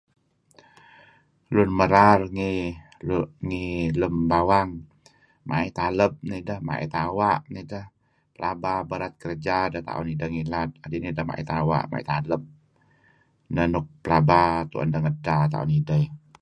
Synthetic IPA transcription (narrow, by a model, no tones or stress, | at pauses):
lʊnməɾarŋi | ŋiləmbawaŋ | ma̰ʔit̪aləp̚nidəhma̰ʔḭt̪awaʔnidəh | pəlʔababəɾat̪̚kəɾd͡ʒadəht̪a̰ʔṵnidəŋilat̪̚adinidəhma̰ʔḭt̪awa̰ʔma̰ʔḭt̪aləp̚ | nənʊk̚pəlabat̪ṵʔə̰ndəŋədat̪a̰ʔṵnidəj